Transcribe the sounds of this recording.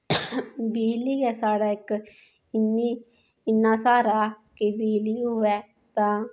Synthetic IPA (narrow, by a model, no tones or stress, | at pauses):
biːliːɛːsaːɽaːɪk | ɪnːiː | ɪnːãːsaːɾaːkebiːliːɦoːɛː | t̪ãː